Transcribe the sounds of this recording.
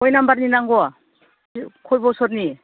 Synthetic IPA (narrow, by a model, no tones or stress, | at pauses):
ɔjnambaɾninaŋɡɔa | kʰɔjbɔwsɔɾni